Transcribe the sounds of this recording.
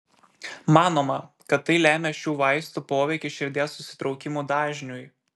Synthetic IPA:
mɑːnoːmɐ | kɐt̪ːɐɪlʲæːmʲeʃʲuːʋɐɪst̪upoːʋʲɛɪkʲɪʃʲɪɾʲd̪ʲeːsːʊsʲɪ̥t̪ɾɒʊkʲɪmuːd̪ɑːʒʲnʲʊj

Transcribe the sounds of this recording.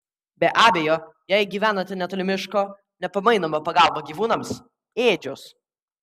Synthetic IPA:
bʲɛʔɑːbʲeːjoːjæɪɡʲiːʋʲæːnoːt̪ʲɛnʲɛt̪ɔlʲɪmʲɪʃkoː | nʲɛpɐmɐɪnomoːpɐɡɑˑlˠboːɡʲiːʋuːnɐms | eːd͡ʒʲʊs

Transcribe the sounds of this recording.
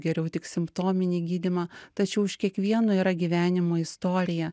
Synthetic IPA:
ɡʲɛɾʲɛʊt̪ʲɪksʲɪmpt̪oːmʲɪnʲiːɡʲiːd̪ʲimɑt̪ɐt͡ʃʲɛʊɪʃkʲiɛkʋʲiɛnʊiːɾɐɡʲiʋʲæːnʲɪmoːɪst̪oːɾʲɪjɛ

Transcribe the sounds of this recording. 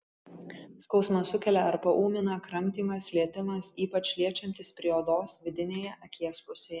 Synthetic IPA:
skɒʊsmɐsʊkʲɛlʲɛɐɾpɐʔuːmʲɪnɐkɾɐmʲˑt̪ʲiːmɐslʲiɛt̪ʲɪmɐsiːpɐt͡ʃʲlʲiɛt͡ʃʲɛnʲt̪ʲɪspʲɾʲiɛoːd̪oːsʋʲɪd̪ʲɪnʲeːjɛʔɐkʲiɛspʊsʲe

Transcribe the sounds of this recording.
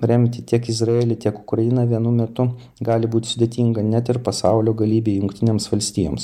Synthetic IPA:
ɾʲɛmʲt̪ʲɪt̪ʲiɛkɪzɾɐeːlʲɪt̪ʲiɛkʊkɾɐjɪnɑʋʲiɛnʊmʲɛt̪ʊ | ɡɑːlʲɪbuːtʲɪ̥sʊd̪ʲeːt̪ʲiːŋɡɐnʲæt̪ɪɾpɐsɑʊlʲoːɡɐlʲiːbʲeːjʊŋkt̪ʲɪnʲeːmsʋɐlʲsʲt̪ʲiːjoːms

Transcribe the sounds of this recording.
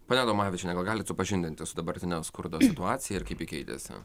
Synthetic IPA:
poːnʲɛd̪oːmɑːʋʲɪt͡ʃʲɛnʲɛɡɐlˠɡɑːlʲɪtsʊpɐʒʲɪnʲd̪ʲɪnʲt̪ʲɪsʊd̪ɐbɐɾʲt̪ʲɪnʲoskʊɾd̪oːsʲɪt̪ʊɑːtsʲɪjɛɪɾkɐɪpikʲɛɪt̪ʲḛsʲɪ̰

